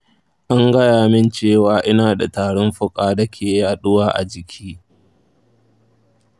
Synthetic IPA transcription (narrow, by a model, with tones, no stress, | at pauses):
ʔa˦ŋɡɐ˦jaː˨mɪ˦nt͡ʃeː˦˨waː˨ʔɪ˦naː˨da˨taː˨ɽɔ˦mɸʊ˦kʼaː˦dɐ˦kʲʰeː˨jaː˦ɗʊ˦waː˦ʔa̰˨d͡ʒɪ˨kʲʰiː˦